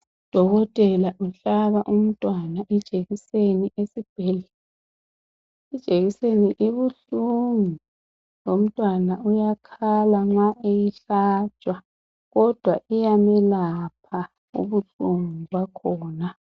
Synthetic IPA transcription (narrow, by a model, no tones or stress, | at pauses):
d̥ʱɔɣɔtʼɛlaʔuɬaβaʔum̩tʼwanaʔɛd̥ʒ̥ʱeɣiseniʔesib̥ʱeli | id̥ʒ̥ʱeɣiseniʔiβuɬuŋu | lom̩tʼwanaujakʰalaŋ͡ǁaʔejiɬḁt͡ʃʼwa | ɣɔd̥ʱwaʔijamɛlapʰa | ṵβuɬuŋuβakʰɔːna